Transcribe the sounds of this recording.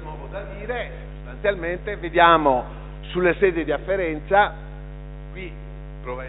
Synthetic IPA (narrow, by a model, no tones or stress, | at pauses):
nwɔːvod̪ad̪iːɾesost̪ant̪sjalment̪eved̪jaːmo | sulːesɛːd̪ed̪iafːeɾɛnt̪sa | kwi | pɾova